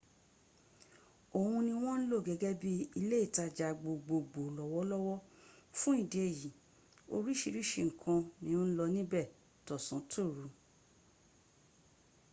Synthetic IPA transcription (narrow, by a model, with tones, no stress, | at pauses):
o˨hũ˧nĩ˧w̃ɔ̃˦n̩˦lo˦˨ɡɛ˨˧ɡɛ˦bi˦i˧le˦i˦˨ta˧d͡ʒa˧ɡ͡bo˧ɡ͡bo˧ɡ͡bo˨lɔ˨wɔ˦lɔ˦wɔ˦fũ˦i˦˨di˨e˦˨ji˨ | o̰˧ɾi˦ʃi˧ɾi˦ʃe˧˨ŋ̩˨kʰã˧nĩ˦o˦n̩˦lɔ˧nĩ˦bɛ˦˨ | tɔ˨sã˨˦tʰo˦˨ɾu˨˦